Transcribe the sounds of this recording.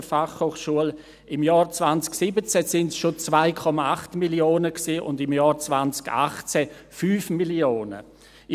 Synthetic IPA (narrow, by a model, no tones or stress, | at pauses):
əfaχhoːχʃuəl | ɪmjɑːɾt͡svant͡sksɪbət͡sɛsɪntsʃot͡svaɪkʰɔmaaχtmiljoːnəksiːʔʊ̰ndɪmjɑːɾt͡svant͡sɡ̥a̰χt͡sɛfyːfmilioːnə̰